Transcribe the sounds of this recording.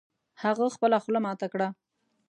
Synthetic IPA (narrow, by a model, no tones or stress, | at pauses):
haɣəxpəlaxlamɑt̪akɽa